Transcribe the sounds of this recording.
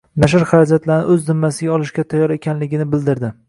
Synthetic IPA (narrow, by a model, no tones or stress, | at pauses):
naʃ̬ɪɾχɑɾad͡ʒat̪laɾnɪ̰ʔɵzd̪ɪmːasɪɡʲaɒlˠɪʃɡʲat̪ʰajːɒɾe̞kʲʰanlɪɡʲɪnɪbɪld̪ɪɾd̪ɪ